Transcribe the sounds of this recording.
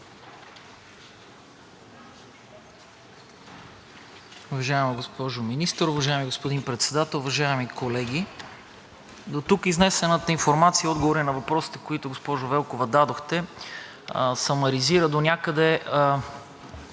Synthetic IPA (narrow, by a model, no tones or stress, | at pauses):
ʊvɐʒaɛmɐɡospɔʒominist̪əɾʊvɐʒaɛmiɡospod̪inpɾɛt̪sɛd̪at̪ɛlˠʊvɐʒaɛmikolɛɡʲi | d̪ot̪ukiznɛsɛnət̪əinfoɾmat̪sijəɔd̪ɡovoɾinɐvɐpɾɔsi̥t̪ɛkoit̪ʊɡospɔʒʊvɛlˠkovɐd̪ad̪oxt̪ɛ | sɐnɐɾiziɾəd̪onʲakəd̪ɛ